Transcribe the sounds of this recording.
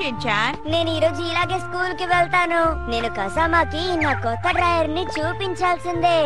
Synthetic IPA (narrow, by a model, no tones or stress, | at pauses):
et͡ʃaːɾne̞ːnuiːɾo̞ːd͡ʒuiːlaːɡeːskuːlkiʋɛlt̪aːnune̞ːnukɐsaːmaːkiːnːaːkɔt̪ːɐɖɾaːjɐɾnit͡ʃuːpiɲt͡ʃaːlsind̪eː